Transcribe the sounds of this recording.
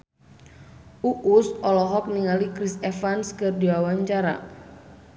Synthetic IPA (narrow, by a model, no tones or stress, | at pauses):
ʔuʔusʔɔlɔɦɔk̚niŋalikɾisɛfanskɨrdiwawaɲt͡ʃaɾa̰